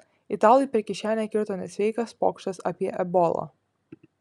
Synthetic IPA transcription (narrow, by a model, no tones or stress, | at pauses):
ɪt̪ɑːlˠʲjiˑpʲɛɾʲkʲɪʃʲæːnʲɛkʲɪɾt̪oːnʲɛsʲʋʲɛɪkɐspo̰ːkʃt̪ɐsɑ̰ːpʲiɛʔɛbɔːlˠɐ̰